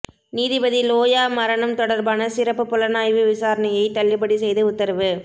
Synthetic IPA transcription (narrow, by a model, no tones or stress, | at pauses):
niːðɪbɐðiloːjaːmɐɾɐɳɐmt̪ɔɽɐɾbaːnɐsɪɾɐpːɯpːʊlɐnaːjʋɯʋɪsaːɾɐnɐjɐɪt̪ɐɭːɪpːɐɽisɛjðɯʊt̪ːɐɾɐʋɯ